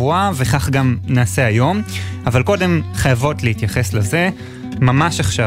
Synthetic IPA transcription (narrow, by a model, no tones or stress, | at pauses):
uave̞χaχɡamnaːse̞ajo̞mavalko̞de̞mχajavo̞tlehit̪jaχe̞sleze̞ | mamaʃaχʃa